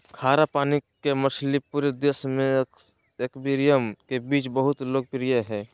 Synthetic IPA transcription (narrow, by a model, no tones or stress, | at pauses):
kʰaːɾapaːnikemət͡ʃʰlipuːɾed̪eːsmẽ | ekbiɾijəmkebiːt͡ʃbəɦʊt̪loːɡ̚pɾijəɦɛː